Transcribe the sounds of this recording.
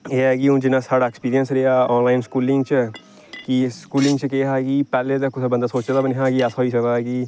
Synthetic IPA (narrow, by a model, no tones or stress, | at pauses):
eːɛːɡiõːd͡ʒɪnãːsaːɽaːɛkspiːɾijənsɾeːaːɔːnlaːɪnskuːlɪ̃ŋɡt͡ʃ | kiskuːlɪ̃ŋɡt͡ʃəkeːɦaːɡiːpɛːleːt̪əkːʊsebənd̪aːsoːt͡ʃːd̪aːbəneɦaːɡiːasoːiːsək̪aːɡiː